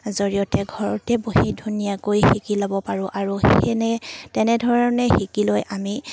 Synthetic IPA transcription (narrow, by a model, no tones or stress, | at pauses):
zoɹijɔtɛɡʱɔɹɔtɛboɦidʱunijakojxikilɔbɔpaɹʊ̃ʔaɹuɛnɛtɛnɛdʱɔɹɔnɛxikilojʔami